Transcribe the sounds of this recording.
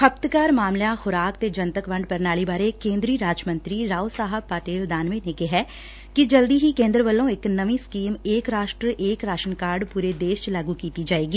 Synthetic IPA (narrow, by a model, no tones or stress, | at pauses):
kʰəp̚t̪kaːɾmaːmljãːxʰʊɾaːkt̪eːd͡ʒənt̪əkʋəɳɖpəɾnaːliːbaːɾeːkẽːnd̪ɾiːɾaːd͡ʒmə̃nt̪ɾiːɾaːusaːɦəb̚paːʈeːld̪aːnʋẽːneːkɪɦɛː | kɪd͡ʒəld̪iːɦiːkẽːnd̪ɾəʋəlːõːɪknəʋĩːskiːmeːkɾaːʃʈɾəʔeːkɾaːʃənkaːɾɖpuːɾeːd̪eːʃt͡ʃlaːɡuːkiːt̪iːd͡ʒaːeːɡiː